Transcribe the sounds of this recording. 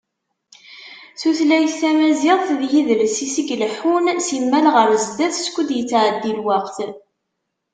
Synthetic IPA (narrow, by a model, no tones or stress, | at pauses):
θuθlæjəθæmæziðˤθðjiðəlsisəɡləħunsimːælʁəɾzd̪æθskʷːəd̪jət͡sːʕəd̪ːilwaqθ